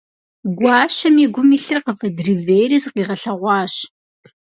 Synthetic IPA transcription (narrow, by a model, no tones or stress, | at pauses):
ɡʷɑːɕɐmiɛɡʷʊmiːɬɨrqəfɐdriveːjrizqiːʁɐɬɐʁʷɑːɕ